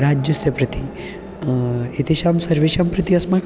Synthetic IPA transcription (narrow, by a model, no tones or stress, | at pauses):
ɾad͡ʒjɐsjɐpɾɐt̪i | et̪eʃaːmsɐɾʋeʃampɾɪt̪iɐsmak